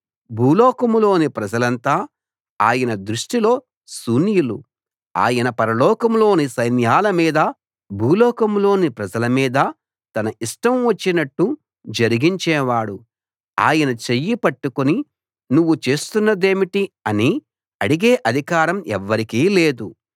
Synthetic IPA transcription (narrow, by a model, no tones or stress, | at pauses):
bʱuːlɔːkɐmlo̞ːnipɾɐd͡ʒɐlɐnt̪aː | aːjɐnɐd̪ɾuʂʈilo̞ː | suːnjulu | a̰ːjɐnɐpɐɾɐlɔːkɐmlo̞ːnisɐjnjaːlɐmiːd̪ɐ | bʱuːlɔːkɐmlo̞ːnipɾɐd͡ʒɐlɐmiːd̪ɐ | t̪ɐnɐiʂʈɐmʋɐt͡ʃːinɐʈːu | d͡ʒɐɾiɡiɲt͡ʃɛːʋaːɽu | a̰ːjɐnɐt͡ʃejːipɐʈːukoni | nuʋːut͡ʃe̞ːst̪unːɐd̪e̞ːmiʈiɐni | ɐɽiɡeːʔɐd̪ʱikaːɾɐmɛ̰ʋːɐɾikiːleːd̪u